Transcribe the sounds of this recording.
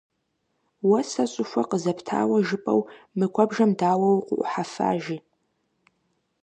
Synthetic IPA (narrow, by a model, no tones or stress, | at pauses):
wɐsɐɕʼʊfʷɐqəzɐpʰtʰa̰ːwɐʒɨpʼɐ̰wmɨkʷʰɔbʒɐmdaːwɐwqʷʊ̰ʔʷʼʊħafa̰ːʒiː